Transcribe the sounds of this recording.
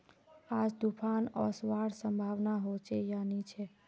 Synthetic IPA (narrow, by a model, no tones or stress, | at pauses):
ad͡ʒd̪upʰanɔ̰sʋaɽsəmbʱaʋnaɦot͡ʃejanit͡ʃʰe